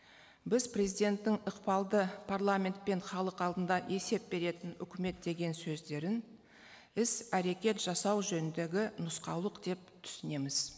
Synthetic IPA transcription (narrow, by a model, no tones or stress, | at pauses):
bɪzpʰre̞zijd̪e̞nt̪ːɪŋəqpɑlˠd̪əpʰarlˠamʲe̞nt̪̚pe̞ɴχɑlˠəqɑlˠd̪ənd̪ɑʔe̞se̞p̚be̞ɾe̞t̪ɪnʏkʲɪme̞t̪̚d̪e̞ɡʲe̞nsɵzd̪e̞ɾɪn | ɪsæɾe̞kʲe̞t̪ʒ̥ɑsɑwʒɵnɪnd̪e̞ɡʲɪnʊsqɑwlˠəqd̪̥e̞p̚t̪ʰʏ̥sɪne̞mɪz̥